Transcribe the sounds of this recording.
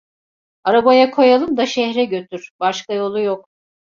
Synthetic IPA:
aɾabajakʰo̞jalˠɯmd̪aʃɛhɾɛɟø̞t̪ʰyɾ̥b̥aʃkajo̞lˠujok

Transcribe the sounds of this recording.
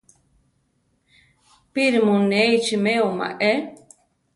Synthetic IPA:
piɾimuneit͡ʃimeoma̰ʔe

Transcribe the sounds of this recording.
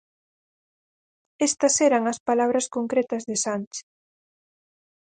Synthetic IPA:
est̪ɐseɾɐŋɐspalaβɾɐskoŋkɾet̪ɐzðɪsant͡ʃ

